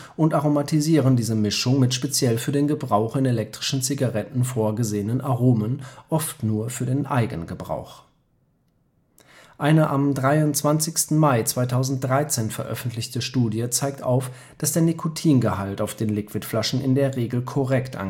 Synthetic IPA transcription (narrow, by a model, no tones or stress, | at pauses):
ʔʊntʔaʁomatʰiziːʁ̞əndiːzəmɪʃʊŋmɪtʃpet͡sjɛlfyːɐdeːnɡəbʁaʊχɪnelɛk̚tʁ̥ɪʃn̩t͡siɡaʁɛtn̩foːɐɡəzeːənənʔaʁoːmənʔɔftnuːɐfyːɐdeːnʔa̰ɪɡənɡəbʁa̰ʊx | ʔaɪnəʔamdʁaɪʊnt͡sv̥ant͡sɪçstn̩maɪt͡sv̥aɪtʰaʊzn̩t̚d̥ʁaɪt͡seːnfɛɐʔœ̰fn̩tlɪçtəʃtuːdjət͡saɪk̚tʔaʊf | d̥asd̥eːɐnikʰotʰiːnɡəhaltaʊfd̥eːnlɪkv̥ɪtflaʃn̩ʔɪ̰ndeːɐʁeːɡl̩kʰɔʁɛktʔa̰n